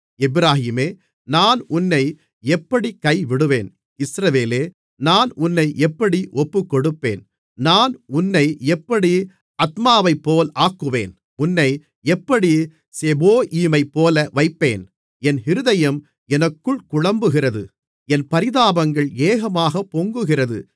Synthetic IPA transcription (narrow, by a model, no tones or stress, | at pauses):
ɛbɪɾaːɦiːmeː | naːnʊnːɐɪ | ɛpːɐɽikɐɪʋɪɽɯʋeːn | ɪsɾɐʋeːleː | naːnʊnːɐɪʔɛpːɐɽiʔɔpːɯkːɔɽɯpːḛːn | naːnʊnːɐɪɛpːɐɽi | ɐt̪maːʋɐɪpːoːlaːkːɯʋḛːn | ʊnːɐɪ | ɛpːɐɽi | seboːʔiːmɐɪpːoːlɐʋɐɪpːḛːn | ɛnhɪɾɯðɐjɐm | ɛnɐkːɯɭkʊɻɐmbɯɣɪrɐðɯ | ɛnpɐɾɪðaːbɐŋɡɐɭeːɣɐmaːɣɐpːoːŋɡɯɣɪrɐðɯ̰